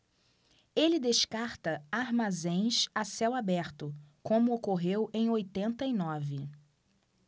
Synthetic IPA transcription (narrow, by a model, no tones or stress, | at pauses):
elɪd̪eʃkaɾt̪ɐaɾmazẽj̃sasɛwabɛɾt̪ʊkõmʊokoɦewʔẽj̃ojt̪ẽnt̪ɐinɔvɪ